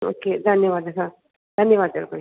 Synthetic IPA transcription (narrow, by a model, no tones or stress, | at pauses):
o̰ked̪ʱənjəʋaːd̪ɐsa | d̪ʱənjəʋaːd̪̚t͡ʃə̰ɾkəɾi